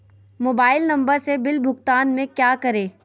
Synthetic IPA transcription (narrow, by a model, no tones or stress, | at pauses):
moːbaːɪlnɐ̃mbəɾsebɪlbʱʊɡt̪aːnmẽkjaːkɐɾeː